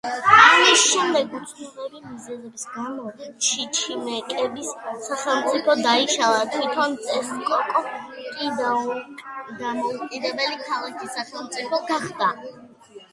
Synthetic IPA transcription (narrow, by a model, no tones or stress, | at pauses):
amisʃɛmd̪ɛɡut̪sʰnulɛbimizɛzɛbisɡamɔt͡ʃʰit͡ʃʰimɛkʼɛbisːaχɛlˠmt̪sʼipʰɔd̪aiʃalˠat̪ʰwit̪ʰɔnt̪sʼɛskʼɔkʼɔkʼid̪aud̪amɔukʼid̪ɛbɛlikʰalˠakʰisaχɛlˠmt̪sʼipʰɔɡaχd̪a